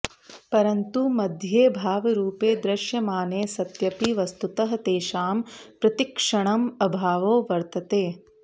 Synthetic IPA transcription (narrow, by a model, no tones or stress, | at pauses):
pɐɾɐnt̪umɐd̪ʱjeːbʱaːʋɐɾuːpeːd̪ɾɐʃjɐmaːneːsɐt̪jɐpiʋɐst̪ut̪ɐɦɐt̪eːʃaːmpɾɐt̪ikʂɐɳɐmɐbʱaːʋoːʋɐɾt̪ɐt̪eː